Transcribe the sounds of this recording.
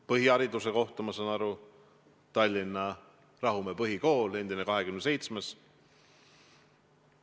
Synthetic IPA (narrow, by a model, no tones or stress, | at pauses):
pɤɦiɑɾid̪use̞ko̞ht̪umɑsɑnɑɾu | t̪ɑlʲːinːɑ | rɑɦumepɤɦiko̞ːle̞nd̪ine̞kɑɦe̞kymnse̞jt̪smes